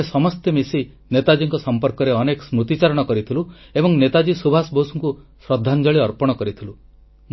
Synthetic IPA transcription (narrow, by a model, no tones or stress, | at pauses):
esɔmɔst̪emisi | net̪ad͡ʒiŋkɔsɔmpɔɾkɔɾeɔnekɔ̥smɾut̪it͡ʃaɾɔɽ̃ɔkɔɾit̪ʰiluebɔŋnet̪ad͡ʒisubʱasbosuŋkusɾɔd̪ʱːand͡ʒɔɭiɔɾpɔɽ̃ɔkɔɾit̪ʰilu